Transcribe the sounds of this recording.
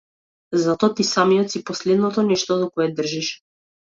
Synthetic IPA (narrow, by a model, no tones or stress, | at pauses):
zat̪ɔat̪isamijɔt̪sipɔslɛd̪nɔt̪ɔnɛʃt̪ɔd̪ɔkɔɛd̪r̩ʒiʃ